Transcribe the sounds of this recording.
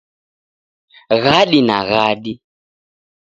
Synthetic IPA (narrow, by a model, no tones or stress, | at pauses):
ɣaɗina̰ɣaɗi